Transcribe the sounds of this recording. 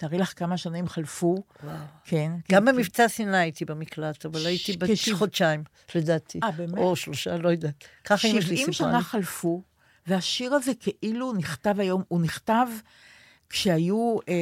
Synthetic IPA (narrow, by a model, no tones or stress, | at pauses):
t̪aːʁilaχkamaʃanimχalfuwawkʰe̞nɡambemivt͡sasinaːjit̪ibemiklat̪avalajit̪ibeχodt͡ʃaim | led̪at̪ʰiabemoʃloʃalojod̪at̪kaχaʃimʃvimʃanaχalfu | veaʃiʁaze̞kʰeʔiluniχt̪avajo̞muniχtav | kʃeaju